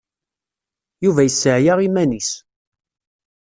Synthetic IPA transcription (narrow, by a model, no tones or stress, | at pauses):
juvæjəsːəʕjaʁimænis